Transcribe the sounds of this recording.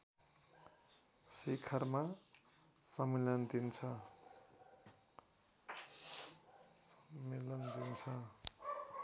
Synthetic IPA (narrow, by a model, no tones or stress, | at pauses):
sekʰʌrma | sʌmelʌnd̪int͡sʰʌ | sʌmːelʌnd̪int͡sʰʌ